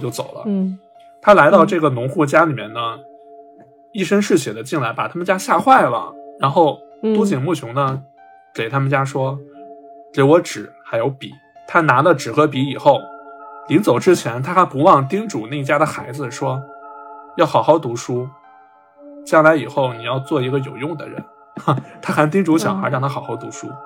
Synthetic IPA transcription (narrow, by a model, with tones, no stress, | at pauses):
t͡ɕjo˥˩ʊt͡so˨˩ʊlə̰˦ | t̪ʰa˥la˧˥ɪt̪ɑ˥˧ʊʈ͡ʂɤ˥˩ɡə˩nʊ˧˥ŋxu˥˩t͡ɕja˥li˨˩mjɛ̰˥˩nnə˩ | i˥˩ʂə˥ŋʂɻ̩˥˩ɕjɛ˨˩d̪ə˦t͡ɕi˥˩ŋla˧˥ɪpa̰˨˩t̪ʰa˥mə˨nt͡ɕja˥ɕja˥˧xwa˥˩ɪlə̰˩ɻa˧˥nxo˥˩ʊt̪u˥t͡ɕi˨˩ŋmu˥˩t͡ɕʰjʊ˧˥ŋnə˧ | ke˨˩ɪt̪ʰa˥mə˨nt͡ɕja˥ʂwɔ˥ | ʈ͡ʂɛ˧˥wɔ˧˥ʈ͡ʂɻ̩˨˩˦xa˧˥ɪjo˧˥ʊpḭ˨˩˦ | t̪ʰa˥na˧˥lə˧ʈ͡ʂɻ̩˨˩xɤ˧˥pi˧˥i˨˩xo˥˩ʊli˧˥ŋt͡so˨˩ʊʈ͡ʂɻ̩˥t͡ɕʰjɛ˧˥nt̪ʰa˥xa˧˥pu˧˥wɑ˥˧ŋt̪i˥ŋʈ͡ʂu˨˩na˥˩ɪi˥t͡ɕja˥d̪ə˨xa˧˥ɪd͡zɹ̩˧ʂwɔ˥ | jɑ˥˩ʊxɑ˨˩ʊxɑ˧˥˩ʊt̪u˧˥ʂu˥ | t͡ɕjɑ˥˩ŋla˧˥ɪi˨˩xo˥˩ʊni˨˩jɑ˥˧ʊt͡swɔ˥˩i˧˥ɡə˧jo˨˩ʊjʊ˥˩ŋd̪ə̰˩ɻə̰˧˥n | a˧t̪ʰa˥xa˧˥nt̪i˥ŋʈ͡ʂu˧˥ɕjɑ˨˩ŋxa˞˧˥ɻɑ˥˩ŋt̪ʰa˥xɑ˨˩ʊxɑ˧˥ʊt̪u˧˥ʂṵ˥